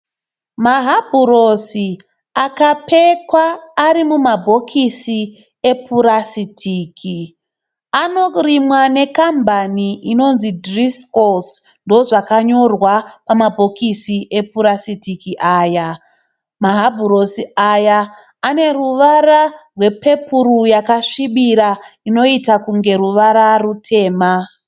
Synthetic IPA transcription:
maɦabʱurosi | akape̞kwaːɾimumabʱo̞kʰisi | e̞pʰuɾasitʰiːkʰi | ano̞rimwane̞kambʱaniʔino̞nzidriskos | ndoʐakaɲo̞rwapamabʱo̞kisiʔe̞puɾasitikiʔaːja | maɦabʱuɾosiajaː | ne̞ruʋaɾarwe̞pe̞puɾujakaʂiɓiɾaino̞itakuŋɡe̞ɾuʋaɾarutʰe̞ːma

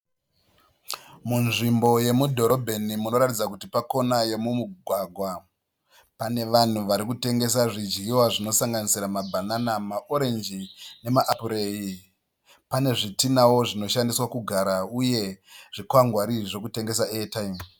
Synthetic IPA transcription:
munʐimbo̞je̞mudʱo̞ɾo̞bʱe̞nimuno̞ɾatid͡zakutipako̞naje̞mumuɡʱwaɡʱwa | pane̞ʋan̤uʋaɾikute̞ŋɡe̞saʐid͡ʒɡiwaʐino̞saŋɡanisiɾamabʱananamaʔo̞ɾe̞nd͡ʒine̞maʔapuɾei | pane̞ʐitinawoʐino̞ʃandiswakuɡʱaɾauje̞ʐ̥ikwaŋɡwaɾiʐo̞kute̞ŋɡe̞saʔetaim

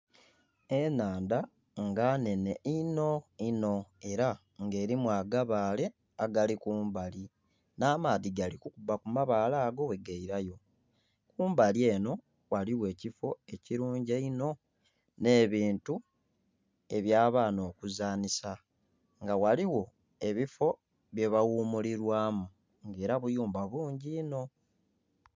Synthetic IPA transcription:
e̞naːnda | ŋɡaːne̞ne̞ino̞ino̞e̞ɾa | ŋɡe̞ːɾimwaɡaβaːle̞ | aɡalikuːmbali | naːmaːðiɡalikukubakumaβaːlaːɡo̞we̞ɡeiɾajo̞ | kuːmbalie̞ːno̞ | waliwe̞ːcifo̞e̞ciɾuːɲɟeino̞ | ne̞ːβiːntu | e̞βjaːβaːno̞ːkuzaːnisa | ŋɡawaliwo̞ | e̞βifo̞ | βje̞βawuːmuliɾwaːmu | ŋɡe̞ːɾaβujuːmbaβuːɲɟiːno̞

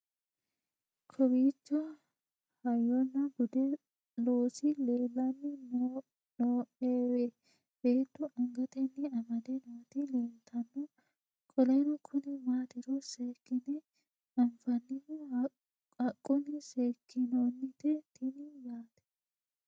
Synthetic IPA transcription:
kʰɔbiːt͡ʃːɔ | hɐjɔnːɐɡʊd̪ɛ | loːsɪleːlːɐnːɪn | noːʔeːwe | b̥eːt̪ːʊʔɐŋɡɐt̪ɛnːɪɐmɐd̪ɛnot̪ɪleːnt̪ʰːɐnːɔ | kʼɔlɐnɔkʰʊnɪmaːt̪ɪɾɔseːkːɪnɛ | ɐnfɐnːɪn | ɐkʼːʊnɪseːkːɪnoːnːɪt̪ɛt̪ɪnɪjaːt̪ɛ̥

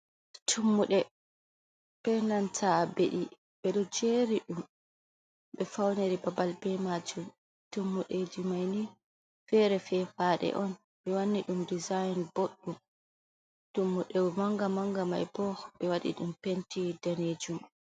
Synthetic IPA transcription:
tʰumːuɗɛ | pɛnantʰabeɗi | bɛɗɔd͡ʒeːɾiɗum | ɓɛfawneɾibabalbɛmad͡ʒum | tumːuɗed͡ʒimajni | fɛɾɛfɛfaɗɛ̰ʔɔn | ɓɛwanːiɗumdizajnboɗːum | tumːuɗɛmaŋɡamaŋɡama̰jbɔɓɛwaɗḭɗumpentidaned͡ʒum

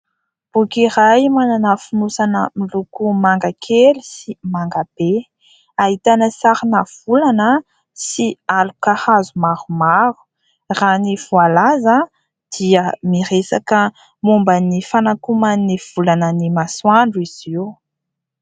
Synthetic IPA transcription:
b̥ukiɾajmananəfunusanəmilukumaŋɡakʰelisimaŋɡab̥e | aɦit̪anəsaɾinav̥ulanə | sialukahazumaɾumaɾu̥ | ranivualazə | d̪̥iəmiɾesa̰kə | mumbənifanakumaniv̥ulanənimaswaɳɖ͡ʐuiz̥iw

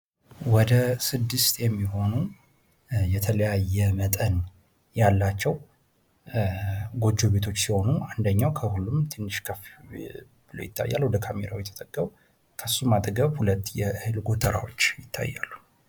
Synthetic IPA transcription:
wɔd̪əsɨd̪ːɨst̪jɛmːiɦo̞nu | jɛt̪ʰələjajːɛmət̪ʼən | jalːat͡ʃːɛw | ɡo̞d͡ʒːo̞βe̞t̪ʰo̞t͡ʃːsiho̞nuand̪əɲːawkʰəhulːumt̪ʰɨnːɨʃkʰəf | b̥ɨlo̰jɪt̪ːa̰jːa̰lwɔd̪əkʰameɾawjt̪ʰːət̪ʼəɡːəw | kʰəsːumad̪ɡəβhulət̪ːjɛhɨlɡo̞t̪ʰəɾa̰wo̞t͡ʃːjɪt̪ʰːa̰jːa̰lːu̥

